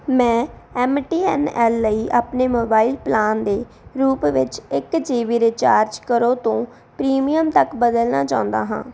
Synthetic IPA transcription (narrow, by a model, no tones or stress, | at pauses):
mɛ̃ːɛːmʈiːɛːnɛːlːəiːʔaːpneːmoːbaːiːlplaːnd̪eː | ɾuːpʋɪt͡ʃɪkd͡ʒeːʋiːɾet͡ʃaːɾd͡ʒkəɾoːt̪õː | pɾiːmijəmt̪əkbəd̪əlnaːt͡ʃaːʊ̃nd̪a̰ːɦã̰ː